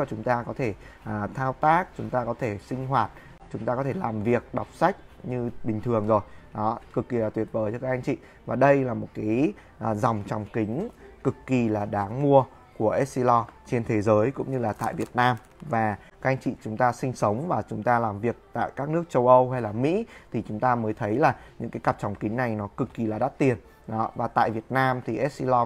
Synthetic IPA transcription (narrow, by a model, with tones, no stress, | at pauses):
ɔ˧˩t͡ɕʊ˨˦ŋ͡mt̪aː˧kɔ˨˦t̪ʰe˧˩ | ʔəː˨˩t̪ʰaː˧wt̪aː˦˥k̚t͡ɕʊ˨˦ŋ͡mt̪aː˧kɔ˨˦t̪ʰe˧˩sï˧ŋ̟ɦwaː˨˩t̚ | t͡ɕʊ˨˦ŋ͡mt̪aː˧kɔ˨˦t̪ʰe˧˩laː˨˩mvi˨˩ək̚ɗa˨˩wk͡p̚sa˦˥jk̟̚ɲɨ˧ɓï˨˩ŋ̟t̪ʰɨ˨˩əŋzo˨˩jɗɔ˨˦kɨ˨˩kːi˨˩laː˨˩t̪wi˨˩ət̚vəː˨˦jt͡ɕɔ˧kaː˦˥k̚ʔa˧ŋ̟t͡ɕḭ˧˨ | vaː˨˩ɗə˧jlaː˨˩mo˨˩t̚kaː˨˦j | ʔːzɔ˨˩wŋ͡mt͡ɕɔ˨˩wŋ͡mkï˨˦ŋ̟kɨ˨˩kːi˨˩laː˨˩ɗaː˨˦ŋmu˧ə | ku˧˩əʔɛ˦˥t̚si˧lɔ˧t͡ɕe˧nt̪ʰe˨˦zəː˨˦jkʊ̰˧˥ŋ͡mɲɨ˧laː˨˩t̪a̰ː˧˨jvi˨˩ət̚naː˧m | vaː˨˩ | ka˦˥k̚ʔjŋ̟t͡ɕḭ˧˨t͡ɕʊ˨˦ŋ͡mt̪aː˧sï˧ŋ̟sə˨˦wŋ͡mvaː˨˩t͡ɕʊ˨˦ŋ͡mt̪aː˧laː˨˩mvi˨˩ək̚t̪a̰ː˧˨jkaː˦˥k̚nɨ˦˥ək̚t͡ɕə˧wʔə˧wɦa˧jlaː˨˩mḭ˧˥t̪ʰi˨˩t͡ɕʊ˨˦ŋ͡mt̪aː˧məː˨˦jt̪ʰə˨˦jlaː˨˩ɲɨ̰˧˥ŋkaː˨˦jka˨˩t͡ɕɔ˨˩wŋ͡mkï˨˦ŋ̟na˨˩jnɔ˨˦kɨ˨˩kːi˨˩laː˨˩ɗa˦˥t̚t̪i˨˩ən | ɗɔ˨˦vaː˨˩t̪a̰ː˧˨jvi˨˩ət̚naː˧mt̪ʰi˨˩ʔɛ˦˥t̚si˧lɔ˧